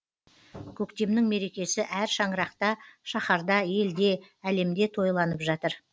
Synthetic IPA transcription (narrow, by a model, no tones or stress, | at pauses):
kʲʰɵkt̪e̞mnɪŋme̞ɾe̞kʲe̞sɪʔæɾʃɑɴəɾɑqt̪ɑʃɑχɑɾd̪ɑje̞ld̪e̞ | æle̞md̪e̞t̪ʰo̞jlˠɑnəpʒɑt̪əɾ